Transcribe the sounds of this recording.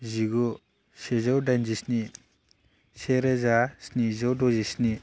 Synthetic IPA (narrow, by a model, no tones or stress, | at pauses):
ziɡɔ | sezawdanzisni | seɾezasnizawdɔzisni